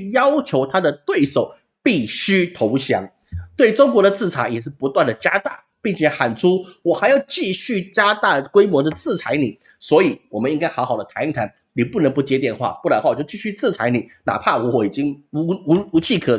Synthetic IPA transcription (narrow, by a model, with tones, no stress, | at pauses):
jɑ˥ʊt͡ɕʰjo˧˥ʊt̪ʰa˥d̪ə˨t̪we˥˩ɪʂo˨˩˦ʊ | pi˥˩ɕy˥t̪ʰo˧˥ʊɕjɑ̰˧˥ŋ | t̪we˥˩ɪʈ͡ʂʊ˥ŋkwɔ˧˥ɾə˨˧t͡sɹ̩˥˩t͡sʰa˧˥jɛ˨˩ʂ̬ɻ̩˥˩pu˧˥t̪wa˥˩nd̪ə˩t͡ɕja˥t̪a˥˩ | pi˥˩ŋt͡ɕʰjɛ˨˧˥xa˨˩nʈ͡ʂʰu˥wɔ˨˩xa˧˥ɪjɑ˥˧ʊt͡ɕi˥˧ɕy˥˩t͡ɕja˥t̪a˥˩kwe˥ɪmwɔ˧˥d̪ə˨t͡sɹ̩˥˩t͡sʰa˧˥ɪni˨˩˦ | swɔ˧˥i˨˩wɔ˨˩mə˦ni˥ŋka˥ɪxɑ˧˥ʊxɑ˨˩ʊd̪ə˦t̪ʰa˧˥n˥˩ŋt̪ʰa˧˥n | ni˨˩pu˥˩nə˧˥ŋpu˧˥t͡ɕjɛ˧˥t̪̬jɛ˨˩nxwa̰˥˩pu˥˩la˧˥nxwa˥˩˨jo˥˧˩ʊt͡ɕi˥˧˩ɕy˥˧t͡sɹ̩˥˩t͡sʰa˧˥ɪni˨˩˦na̰˨˩pʰa˥˩wɔ˧˦wɔ˨˩i˨˩t͡ɕi˥ŋ˧˥˧ | u˧˥t͡ɕʰi˥˩kʰ